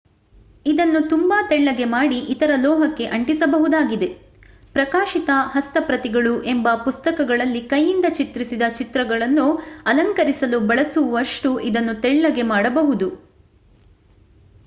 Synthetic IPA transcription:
id̪ɐnːut̪umbaːt̪ɛɭːɐɡe̞maːɽiʔit̪ɐɾɐlɔːɦɐkːe̞ʔɐɳʈisɐbɐɦud̪aːɡid̪e̞ | pɾɐkaːʃit̪ɐɦɐst̪ɐpɾɐt̪iɡɐɭuʔembɐpust̪ɐkɐɡɐɭɐlːikɐjːind̪ɐt͡ʃit̪ɾisid̪ɐt͡ʃit̪ɾɐɡɐɭɐnːuɐlɐŋkɐɾisɐlubɐɭɐsuʋɐʂʈuʔid̪ɐnːut̪ɛɭːɐɡemaːɽɐbɐɦud̪u

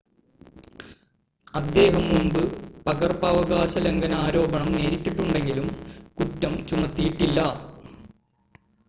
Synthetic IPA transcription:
ɐd̪ːe̞ːɦɐmːumbɨpɐɡɐrpɐʋɐɡaːɕɐlɐŋɡɐnaːɾo̞ːbɐɳɐmne̞ːɾitʲːiʈːuɳɖe̞ŋɡilumkutːɐmt͡ɕumɐt̪ːijiʈːilːɐ

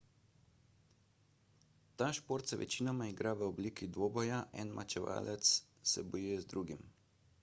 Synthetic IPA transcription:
t̪aːʃpoːɾt̪sɛʋʔɛ̰t͡ʃiːnɔmaiɡɾaʋəobliːkid̪ʋoːbɔjaʔɛ̰nmʔa̰t͡ʃɛʋa̰ːlʔɛt̪s | sɛbɔjuːjɛzd̪ɾuːɡim

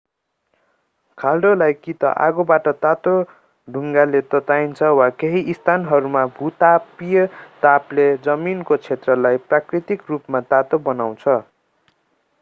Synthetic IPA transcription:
kʰalɖolajkit̪ʌ̰ʔa̰ɡobaʈʌt̪at̪o | ɖʱuŋɡalet̪ʌt̪ajnt͡sʰʌwakeɦiʔːst̪ʰanɦʌɾumabʱut̪apijʌt̪apled͡zʌminkot͡sʰet̪rʌlajprakrit̪ikrupmat̪at̪obʌnaw̃t͡sʰʌ

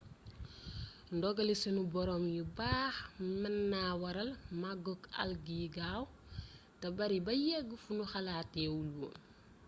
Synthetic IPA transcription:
ndɔɡɐlisɐnubɔɾɔːmjubaːxmɐnːaːwɐɾɐlmaɡɔkɐ̰lɡiɡaːw | tɐbɐɾibɐjɛɡːəfunuxɐlaːtːɛwulwo̰

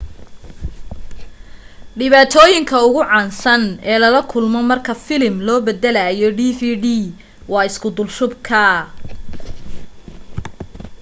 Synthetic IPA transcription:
ɖɪβaːt̪ʰɔːjɪŋkʰɐʊɣʊʕɑːnsɐnɛːlɐlɐkʰʊlmɔmɐrkʰɐfɪlɪmlɔːbɛd̪ɛlɐjɔɖiːfiːɖiː | wɑːɪskʰʊd̪ʊlʃʊbkʰɐ

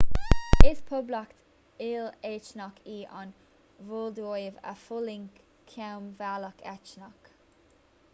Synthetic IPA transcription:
ɪspʰʊblakt̪ | ɪleːt͡ʃnakʰiːʔa̰n | vold̪oːjəvə̰fʊlɪŋ | kʰawmvaləkɛt͡ʃnak

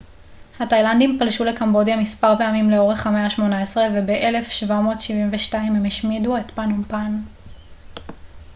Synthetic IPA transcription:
hatajlandimpalʃulekambo̞djamispaʁpe̞amimleo̞ʁe̞χameaʃmo̞naesʁevebeʔele̞fʃvamo̞ːtʃivimveʃtaimhemeʃmiduetpanumpan

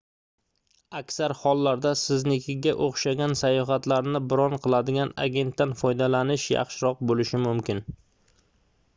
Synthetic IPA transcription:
akʲsaɾhɒlˠːaɾd̪asɪznɪkʲʰɪɡʲaʔoχʃaɡʲansajɒɦat̪laɾnɪbɪɾɒnqʰɨlˠad̪ɪɡʲana̰ɡʲe̞nt̪ːanfɒjd̪alanɪʃjɑ̰χʃɪɾɒq̚bolɪʃɪmʊmkʲɪn

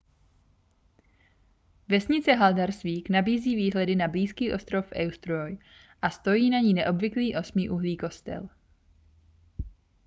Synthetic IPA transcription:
vɛsɲɪt͡sɛɦaldaɾsviːknabiːziːviːɦlɛdɪnabliːskiːʔo̞st̪ɾo̞fɛwst̪ɾoj | ʔast̪o̞jiːnaɲiːnɛʔo̞bvɪkliːʔo̞smiːʔuɦliːko̞st̪ɛ̰l

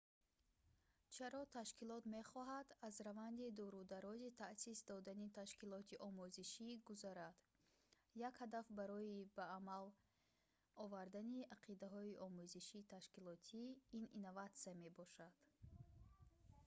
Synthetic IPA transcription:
t͡ʃʰaɾɔt̪ʰaʃkilɔt̪me̞χɔɦad̪azɾavand̪id̪ɔɾud̪aɾɔzit̪ʰasisd̪ɔd̪anit̪ʰaʃkilɔt̪ʰiʔɔmuziʃiɡuzaɾad̪̥ | jakhad̪afbaɾɔibaːmal | ɔvaɾd̪aniaqʰid̪aɦɔiʔɔmuziʃit̪ʰaʃkilɔt̪ʰiːninːovat̪siame̞bɔʃad̪̥

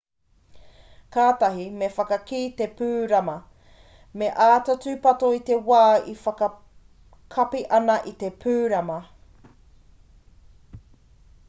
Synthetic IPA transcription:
kaːt̪ɐɦimefɐkɐkiːt̪e̞pʉːɾɐmɐ | meʔaːtɐt͡sʉpɐtoit̪ewaːifɐkɐ | kʰɐpiʔɐnɐʔit̪e̞pʰʉːɾɐmɐ

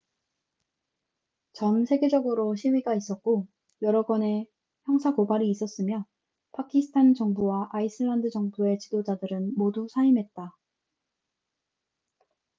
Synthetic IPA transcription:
t͡ɕʌnsʰe̞ɡe̞d͡ʑʌɡɯɾoɕʰiɥiɡais͈ʌt̚k͈o | jʌɾʌɡwʌne̞ | çjʌŋsʰakobaɾiːs͈ʌs͈ɯmjʌ | pʰakʰisʰɯ̥tʰant͡ɕʌŋbuwaʔaisʰɯɭːandɯd͡ʑʌŋbue̞t͡ɕidod͡ʑadɯɾɯnmodusʰaimɦe̞t̚t͈a

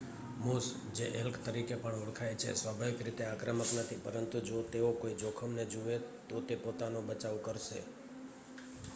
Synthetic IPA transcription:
mus | d͡ʒeʔelkʰt̪əɾikepəɳʊɽkʰajt͡ʃʰḛsʋabʱaʋɪkɾit̪eakɾəməknət̪ʰipəɾənt̪ud͡ʒot̪eokoid͡ʒokʰəmned͡ʒuʋet̪ot̪epot̪anobət͡ʃaʋkəɾʃḛ

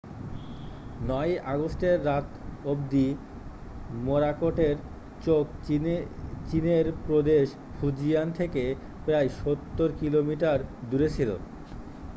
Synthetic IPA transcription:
nɔjʔaɡosʈeɾːat̪obd̪i | moɾakoʈeɾ | t͡ɕok | t͡ɕineɾpɾod̪eʃ | fʰud͡ʑijant̪ʰeke | pɾajʃot̪ːoɾkilomiʈaɾd̪uɾet͡ɕʰilo̰

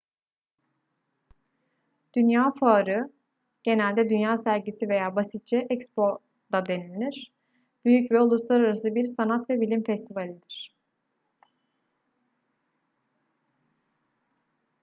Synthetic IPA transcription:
d̪̥ynjaːfaːɾɯ | ɟ̥e̞nælʲd̪ɛd̪ynjaːsæɾɟisive̞jaːbasit̪̚t͡ʃʰɛʔɛcspo̞ | d̪̥ad̪e̞nilʲiɾ̥ | b̥yjycvɛolˠuslˠaɾaɾasɯbiɾsanat̪vɛbilʲimfɛst̪ʰivalʲid̪iɾ̝̥

